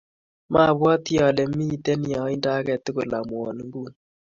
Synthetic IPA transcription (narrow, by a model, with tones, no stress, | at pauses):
ma˦˨βwa˦ti˦ja˨lɛ˨˦mi˦˨tɛ˦ni˨a˨˦i˦nda˦kɛ˨tɪ˦ko˨la˨mwɔ˨n˦ŋɡu˦˨n